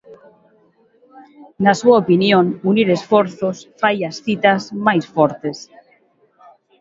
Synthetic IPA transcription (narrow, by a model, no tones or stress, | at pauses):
nasuaopinjõnuniɾesfoɾθosfajasθit̪azmajsfoɾt̪es